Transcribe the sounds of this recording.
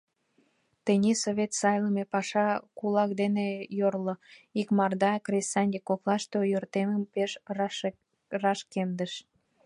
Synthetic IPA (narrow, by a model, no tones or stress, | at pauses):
t̪enʲisoβʲet̪sɑjləmepɑʃɑkulɑkd̪enejorloikmɑrd̪ɑkresɑnʲd̪ʲekoklɑʃt̪ojørt̪eməmpeʃ | rɑʃkemd̪əʃ